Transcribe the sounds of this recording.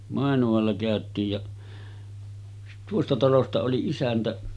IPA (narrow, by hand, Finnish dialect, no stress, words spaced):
mɑˑenuɑlːɑ kæˑøtˑiːj jɑ tuostɑ tɑlostɑ oli isæntæ